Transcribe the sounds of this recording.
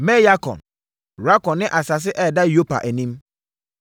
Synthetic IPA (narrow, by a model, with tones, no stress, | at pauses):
mɛ˦ja˦kʰɔ̰̃˨n | ɾa˦kɔ̃˨nːɪ̃˦ʔa˨sa˨s̬ɪ˦ʔɛ˦˨da˦jo˦pa̰˨ʔæ˨nĩ˦m